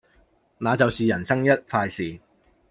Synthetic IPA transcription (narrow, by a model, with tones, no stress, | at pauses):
naː˨˧t͡sɐ˨wsiː˨jɐ˨˩nsɐ˥ŋjɐ˥t̚faː˧jsiː˨